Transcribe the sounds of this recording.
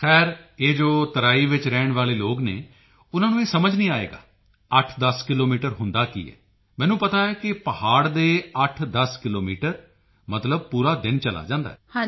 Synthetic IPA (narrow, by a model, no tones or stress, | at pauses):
xʰɛːɾeːd͡ʒoːt̪əɾaːiːʋɪt͡ʃɾɛːɳʋaːleːloːɡnḛː | ʊnãːnũːeːsəməd͡ʒnĩːaːḛːɡa̰ː | əʈʰd̪əskɪloːmiːʈəɾɦʊnd̪aːkḭːɛ̰ː | mɛ̃ːnũːpət̪aːɛːkɪpəhaːɽd̪eːəʈʰd̪əskɪloːmiːʈəɾ | mət̪ləb̚puːɾaːd̪ɪnt͡ʃəla̰ːd͡ʒãːnd̪a̰ː